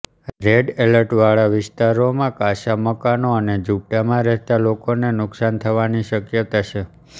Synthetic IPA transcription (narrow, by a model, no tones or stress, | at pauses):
ɾeɖeləɾʈʋaɭaʋɪst̪aɾomãkaʃaməkanoəned͡ʒup̚ʈamãɾɛɦt̪alokonenʊksant̪ʰəʋaniʃəkjət̪at͡ʃʰe